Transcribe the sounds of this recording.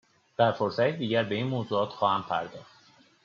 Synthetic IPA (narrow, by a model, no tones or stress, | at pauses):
b̪̥æɾfoɾsæt̪ʰed̪iːɟæɾbe̞iːnmoːzuːɒːt̪xɒːhæmpʰæ̰ɾd̪ɒ̰ːχt̪